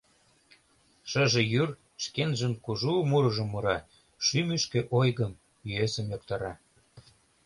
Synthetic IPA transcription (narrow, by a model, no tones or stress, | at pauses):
ʃə̆ʒĕjyr | ʃkenʒə̆mkuʒumuɾɤ̆ʒə̆mːuɾɑ | ʃymyʃkeʔojɣəm | jyesə̆mjokt̪ɑɾɑ